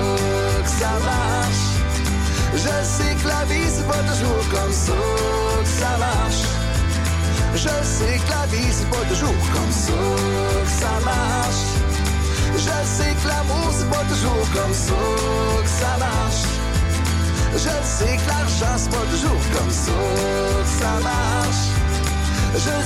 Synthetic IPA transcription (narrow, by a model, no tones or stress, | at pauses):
ksava | ʃ | ʒə | seklavizpɔt̪uʒuːʁkɔmso | ksava | ʃ | ʒəseklavizpɔt̪uʒuːʁkɔmso | ksama | ʃ | ʒəseklavozəpɔd̪əʒuʁkɔmso | ksala | ʃ | ʒəseklaʁʃaspɔd̪əʒuːʁkɔmso | ksala | ʃ | ʒə